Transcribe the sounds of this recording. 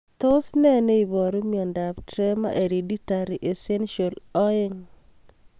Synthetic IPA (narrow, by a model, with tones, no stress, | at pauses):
t̪o˦snɛ˦ne˦i˨bɔ˨ɾu˦miɔ˨nda˨btɾɛma̰ʔe˨ɾeditaɾiʔe˨se˦nʃɔ˨lɔ˦eŋ